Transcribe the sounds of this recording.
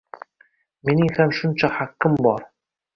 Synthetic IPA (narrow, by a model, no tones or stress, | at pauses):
menɪŋhamʃʊnt͡ʃʰahakːɪmbɒɾ